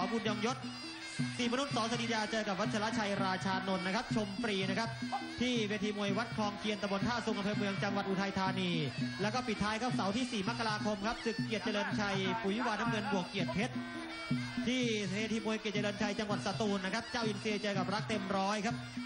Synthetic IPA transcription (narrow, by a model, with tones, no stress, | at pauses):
ɔː˦mkʰu˧njɔː˧ŋjo˦˥t̪̚ | si˨˩ma˧nu˦˥t̪̚sɔː˨˦sa˧niː˧˥jaː˧t͡ɕɤː˧ka˨˩p̚wa˦˥t̪̚t͡ɕʰa˧a˦˥t͡ɕʰa˧jɾaː˧t͡ɕʰaː˧no˧nːa˦˥kʰa˦˥p̚t͡ɕʰo˧mpɾiː˧n˦˥kʰa˦˥p̚t̪ʰiː˥˩pe˧nt̪ʰiː˧mu˧˩əjwa˦˥t̪̚kʰɔː˧ŋkʰi˧ənt̪a˧mbo˧nk̪ʰaː˥˩su˧ŋʔa˧mpʰɤː˧mɯ˧əŋt͡ɕa˧ŋwa˨˩ʔuː˧t̪ʰa˧jt̪ʰaː˧niː˧lɛː˦˥wkɔː˥˩pi˨˩t̪ʰːaː˦˥jkʰa˦˥p̚sa˩˦wt̪ʰiː˥˩siː˨˩ma˦˥kːa˧ɾaː˧kʰo˧mkʰa˦˥p̚sɯ˨˩kːi˨˩ət̪̚t͡ɕa˧lɤː˧nt͡ɕʰa˧jpuː˨˩ji˦˥˩waː˧naː˦˥mŋɤ˧nbu˨˩əkːi˨˩ət̪̚pʰe˦˥t̪̚ | t̪ʰiː˥˩eː˨˩nt̪ʰiː˧mu˧əjki˨˩t̚t͡ɕa˧lɤː˧nt͡ɕʰa˧jt͡ɕa˧ŋwa˨˩t̪̚sa˧t̪uː˧nːa˦˥kʰa˦˥p̚t͡ɕaː˥˩wʔi˧nsi˧ət͡ɕɤː˧ka˨˩p̚ɾa˦˥k̚t̪e˧mɾɔː˦˥jkʰa˦˥p̚